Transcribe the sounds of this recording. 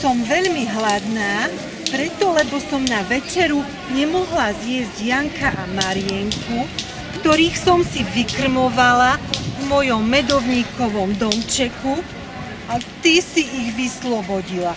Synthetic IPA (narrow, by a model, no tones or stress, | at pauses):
sɔmʋɛʎmiɦlad̪naː | pɾɛt̪ɔlɛbɔsɔmnaʋɛt͡ʃɛɾu | ɲɛmɔɦlazjɛzɟjaŋkʰaʔamaɾɪɛŋkʰu | kt̪ɔɾiːxsɔmsiʋikr̩mɔʋalavmɔjɔmːɛd̪ɔʋɲiːkɔʋɔmd̪ɔmt͡ʃɛku | at̪isiʔːɣʋislɔbɔɟila